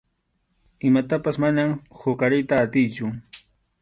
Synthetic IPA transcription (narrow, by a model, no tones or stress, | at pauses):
ɪmat̪apasmanamhʊkaɾɪjt̪aːt̪ɪjt͡ʃʊ